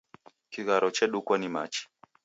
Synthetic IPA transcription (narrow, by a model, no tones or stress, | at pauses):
kiɣaɾɔt͡ʃɛɗukwanimat͡ʃi̥